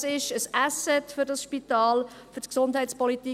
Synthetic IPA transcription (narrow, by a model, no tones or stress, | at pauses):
sɪʃəsʔæsɛtfʏɾdɑsʃpitɑːl | fʏɾtksʊndɦɛɪt͡spɔliti